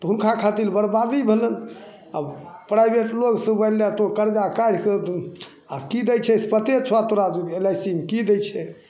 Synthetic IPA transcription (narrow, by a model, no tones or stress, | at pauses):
t̪ɔɦunkʰakʰat̪ilbəɾbad̪ibʱelən | a̰pɾajbʱeʈloɡsəbəlat̪okəɾd͡ʒakaɾkə | akid̪ɛjt͡ʃʰɛspət̪et͡ʃʰat̪oɾad͡ʒuelajsimkid̪ɛjt͡ʃʰɛ